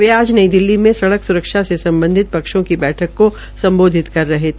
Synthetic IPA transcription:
ʋeaːd͡ʒnɐid̪ɪlːimẽsɐɽəksʊɾəkʃasesɐ̃mbə̃nd̪ʱɪt̪̚pɐkʃõkibɛːʈʰəkːo | sɐ̃mboːd̪ʱɪt̪kɐɾːɐɦet̪ʰː

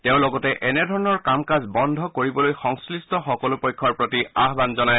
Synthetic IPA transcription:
teʊ̃lɔɡɔtɛʔɛnɛdʱɔɹɔnɔɹkamkazbɔndʱɔkoɹibɔlojxɔŋslistɔxɔkɔlʊpojkʰːɔɹpɹotiaɦbanzɔnaj

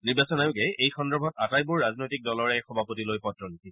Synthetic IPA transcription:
niɹbasɔnajʊɡɛʔejxɔndɔɹbʱɔtatajbuɹːaznojtik̚dɔlɔɹɛxɔbʱapotilojpɔtɹɔniti

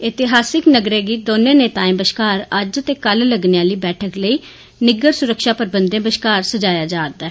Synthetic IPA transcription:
ɪt̪ɪɦaːsɪknəɡɾeːɡiːd̪oːnẽːneːt̪aːĩːbəʃkaːɾəd͡ʒt̪eːkəlləɡneãːliːbɛːʈʰəkləiː | nɪɡəɾsʊɾəkʃaːpəɾbənd̪ẽːbəʃkaːɾsəd͡ʒaːjaːd͡ʒaːɾd̪aː

